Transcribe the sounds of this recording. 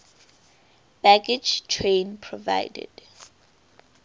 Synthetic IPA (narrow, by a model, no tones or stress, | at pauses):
b̥aɡid͡ʒtʰɹẽnpʰɹɔva̰ɪdɛ̰d̥